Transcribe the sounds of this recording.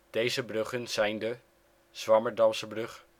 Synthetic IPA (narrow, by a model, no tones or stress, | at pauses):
d̥ejzəbrɵχənz̥ɛjndə | z̥ʋɑməɹdɑmsəbrɵχ